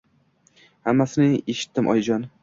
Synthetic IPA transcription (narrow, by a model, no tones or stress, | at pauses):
hamːasɪnɪeʃɪ̥t̪ːɪmʔɒ̰jd͡ʒɒn